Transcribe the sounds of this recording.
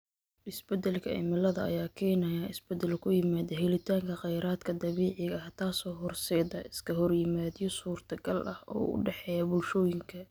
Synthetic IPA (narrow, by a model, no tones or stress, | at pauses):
ɪsbɛd̪ɐlkʰɐɪ̰mɪlɐðɐɐ̰jaːkʰɛːnɐjaɪsbɛd̪ɐlkʰʊjɪmaːðɐɦɛlɪt̪ʰaːŋkʰɐqɑjɾaːd̪kʰɐd̪ɐβɛːʕɪɣɐht̪ʰaːsɔːɦɔrsɛːðɐʔɪskʰɐɦɔrjɪmaːd̪ijɔsuːrt̪ʰɐɡɐlʔɐhɔ̰ːʊ̰ɖɛħɛjɐbʊlʃɔːjɪŋkʰɐ